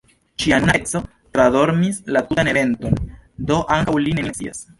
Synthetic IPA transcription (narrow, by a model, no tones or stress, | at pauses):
t͡ʃianat͡so̞ | tɾado̞ɾmislatutane̞ve̞nto̞ndo̞ʔaŋkawlineet͡sḭa̰s